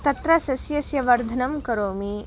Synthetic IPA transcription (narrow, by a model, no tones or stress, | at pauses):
t̪ɐt̪ɾɐsɐsjɐsjɐʋɐɾd̪ʱɐnɐmkɐɾoːmi